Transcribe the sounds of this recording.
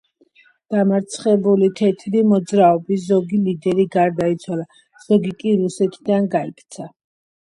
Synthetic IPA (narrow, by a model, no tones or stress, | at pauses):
d̪̥amaɾt̪sʰχɛbulit̪ʰɛt̪ʰɾimɔd̪zɾaɔbis̬zɔɡilid̪ɛɾiɡaɾd̪ait̪sʰwala | z̥ɔɡikʼiɾusɛt̪ʰid̪anɡaikʰt̪sʰa